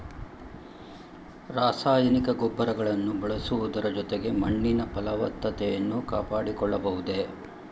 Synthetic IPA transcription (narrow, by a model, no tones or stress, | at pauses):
ɾaːsaːjɐnikɐɡɔbːɐɾɐɡɐɭɐnːubɐɭɐsuʋud̪ɐɾɐd͡ʒɔt̪eɡe̞mɐɳːinɐpɐlɐʋɐt̪ːɐt̪ɛjɐnːuka̰ːpaːɽikɔɭːɐbɐɦud̪e